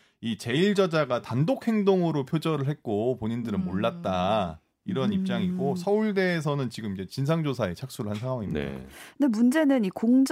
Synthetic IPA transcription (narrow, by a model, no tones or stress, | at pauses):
it͡ɕe̞iɭd͡ʑʌd͡ʑaɡatandok̚ʰhe̞ŋdoŋɯɾopʰjod͡ʑʌɾɯɭɦe̞t̚k͈opoɲindɯɾɯnmoɭːat̚t͈a | iɾʌnip̚t͡ɕ͈aŋiɡosʰʌuɭde̞ːs̬ʰʌnɯnt͡ɕiɡɯmid͡ʑe̞t͡ɕins̬ʰaŋd͡ʑosʰae̞t͡ɕʰak̚s͈uɾɯɭhansʰaŋɦwaŋim̰nde̞mund͡ʑe̞nɯnikoŋd͡ʑ